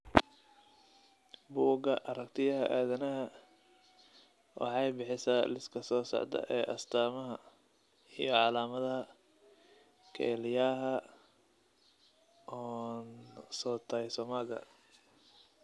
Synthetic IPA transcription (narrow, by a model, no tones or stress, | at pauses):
buːɡɐ̰ʔɐɾɐkt̪ʰɪjɐɦɐ̰ʔaːðɐnɐɦɐ | wɑ̰ħɑjbɪħɪsaːlɪskʰɐsɔːsɔ̰ʕd̪ɐ̰ʔɛːʔɐst̪ʰaːmɐɦɐ | ijɞʕɑlaːmɐðɐɦɐ | kʰɛ̰ːlɪjaːɦɐ | ʔɔːnsɔːt̪ʰɐjsɔmaːɡɐ̰